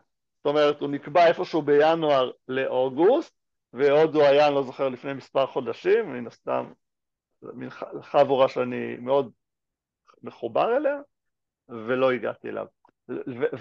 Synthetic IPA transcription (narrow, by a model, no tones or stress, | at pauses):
zo̥t̪o̞me̞ʁetunikbae̞fo̞ʃeube̞januaʁle̞ʔo̞ɡust̪̚ | veoduajanlo̞zo̞χeʁlifnemispaʁχo̞d̪aʃimaninast̪a̰m | minχaχavuʁaʃeanḭmeo̞d̚ | me̞χubaʁelea | ve̞lo̞iɡa̰t̪iḛlʔa̰v | ve